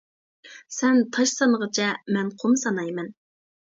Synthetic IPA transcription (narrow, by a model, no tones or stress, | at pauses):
sɛnt̪ʰɑʃsɑnəʁət͡ʃʰɛmɛnqʰomsɑnɑjmɛn